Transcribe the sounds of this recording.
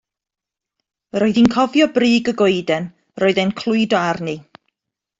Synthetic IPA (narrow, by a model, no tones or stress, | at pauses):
əɾoɨðinkʰɔvjɔbriːɡəɡojdɛn | roːɨðenkʰlˠʊɨdarni